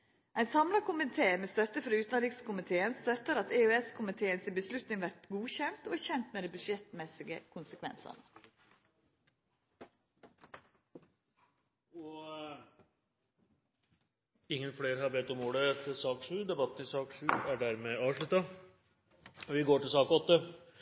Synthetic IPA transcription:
ʔæɪnsɑmlɑkʰʊmɪt̪ʰeːmeːst̪œt̪ːəfɾɑʉːt̪lɾiːkskʊmɪt̪ʰeːənst̪œt̪ːəɾɑt̪eʉɛskʰʊmɪt̪ʰeːənsɪbəslʉt̪nɪŋʋæɾt̪ɡuːçɛnt̪oːæçɛnt̪meːd̪æɪbʉʂɛt̪mɛsɪɡəkʰʊnsəkʰʋɛ̰nsɑ̰nə | ɔ | ɪŋːənfleːɾhɑɾbeːt̪ɔmoːɽət̪ʰɪsɑːkʂʉːd̪ɛbɑt̪ːn̩ɪsɑːkʂʉːæɖæɾmeːɑːʋʂɭʉt̪ːɑ | ʋɪɡoːʈɪlsɑːkɔt̪ːə

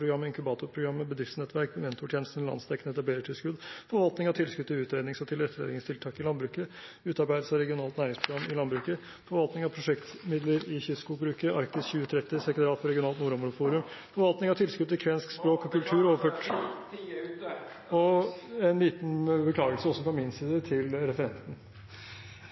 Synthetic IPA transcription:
ɾʊɡɾɑmːəɪŋkʰʉbɑːt̪ʊɾpʰɾʊɡɾɑmːəbəd̪ɾɪft̪snɛt̪ʰːʋæɾkmɛnt̪ʊʈʰjeːnəst̪n̩lɑ̰nst̪ʰɛknəɛt̪ɑbleːɾəʈʰɪlskʉd̪fɔɾʋɑlt̪nɪŋɑʋt̪ʰɪlskʉd̪̚t̪ʰɪlʉːt̪ɾeːd̪nɪŋsɔt̪ʰɪlɾɛt̪ːlḛːd̪ɪŋst̪ʰɪlt̪ʰɑːkɪlɑnbɾʉːkə | ʉːt̪ɑɾbæɪd̪əsɑɾɛɡɪʊnɑːlt̪næːɾɪŋspʰɾʊɡɾɑmːɪlɑnbɾʉːkə | fɔɾʋɑlt̪nɪŋɑʋpʰɾʊʂɛkt̪mɪd̪ləɾɪçʏskʊbɾʉːkəʔɑɾkt̪ɪsçʉːət̪ʰɾɛt̪ːɪsɛk̪ɾɑːt̪fɔɾɛɡɪʊnɑːlt̪nuːɾɔmɾʊfuːɾʉmfɔɾʋɑlt̪nɪŋɑt̪ʰɪlskʉd̪̚t̪ʰɪlkʰʋɛnskspɾoːkɔkʰʉlt̪ʰʉːɾoːʋəɾføːʈ | ɔɛnliːt̪n̩bəkʰlɑːɡəlsəɔsːɔfɾɑmɪnsiːd̪ət̪ʰɪlɾɛfəɾɛnt̪n̩

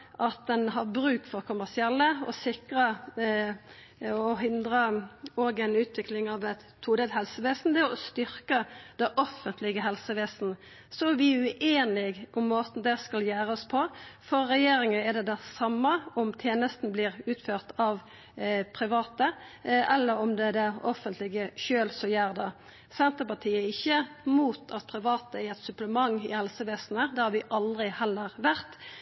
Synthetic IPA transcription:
ʔɑt̪̚d̪ɛnɦɑʁbɾʉːkfɔʁkʰʊmæʂɪɛlːəɔ̰sɪkɾə | ɔɦɪnd̪ɾəoːɡɛnʉːt̪ʋɪklɪŋɑʋɛt̪ʰːuːd̪ɛt̪hɛlsəʋeːsn̩d̪ɛɔst̪ʏɾkəd̪ɛʔɔfːənt̪ʰlɪɡəɦɛlsəʋeːsn | sɔæʋɪʉʔeːnɪɡʔʊmːoːt̪n̩d̪ɛskɑljæːɾɔspʰɔfɔːɛjeːɾɪŋənɛd̪ɛd̪ɛsɑmːəɔmt̪ʰjeːnəst̪n̩blɪʁʉːt̪føːʁt̪ɑʋ | pʰɾɪʋɑːt̪əʔɛlːəɾɔmd̪ɛd̪ɛɔfənt̪lɪɡəʃøːlsɔjæːʁd̪ɑ | sɛnt̪əpɑt̪ʰiːəɪçːəmuːt̪ʰɑt̪̚pʰɾɪʋɑːt̪əæɛt̪sʉpləmɑŋːɪ̰hɛlsəʋeːsn̩əd̪ɛhɑɾʋɪʔɑld̪ʁɪhɛlːəɾʋæʁt̪

